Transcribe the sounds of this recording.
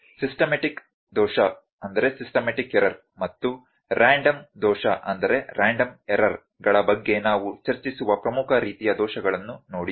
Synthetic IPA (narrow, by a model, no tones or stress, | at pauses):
sisʈɐmeʈik | d̪ɔːʃɐ | ɐnd̪ɐɾe̞sisʈɐmeʈikːeɾɐɾ | mɐt̪ːu | ɾaːɳɖɐmd̪ɔːʃɐʔɐnd̪ɐɾe̞ɾʔaːɳɖɐmeɾɐɾ | ɡɐɭɐbɐɡːe̞naːʋut͡ʃɐɾt͡ʃisuʋɐpɾɐmukʰɐɾiːt̪ijɐd̪ɔːʃɐɡɐɭɐnːunoːɽi